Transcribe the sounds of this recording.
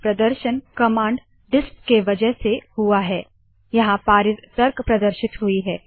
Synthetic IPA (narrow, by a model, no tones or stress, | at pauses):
pɾɐd̪əɾʃənkɐmãːɳɖ | ɖɪskːeʋɐd͡ʒəɦsehuaɦɛː | jɐɦãpaːɾɪt̪t̪ɐɾkpɾɐd̪əɾʃɪt̪ɦuiɦɛː